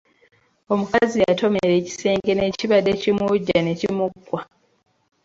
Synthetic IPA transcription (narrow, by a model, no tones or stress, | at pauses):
o̞mukazijato̞meɾe̞ːci̥se̞ːŋɡe̞ne̞ciβadːecimuɟːane̞cimukːwa